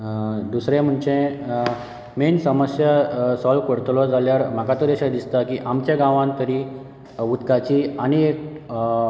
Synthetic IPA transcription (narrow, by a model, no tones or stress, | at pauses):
d̪usɾẽm̤əɳt͡ɕẽ | mensəməsjəsɔlkoɽt̪lɔd͡zʱaljaɾm̤akat̪əɾeɕad̪ist̪akiʔamt͡ɕjaɡãʋãnt̪əɾi | ut̪kat͡ɕiañiek̚